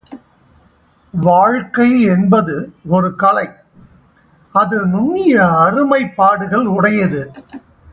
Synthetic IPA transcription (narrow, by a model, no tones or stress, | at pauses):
ʋaːɻkɐɪɛnbɐðɯɔɾɯkɐlɐɪ | ɐðɯnʊnːɪjɐːɾɯmɐɪpːaːɽɯɣɐɭʊɽɐjɐðɯ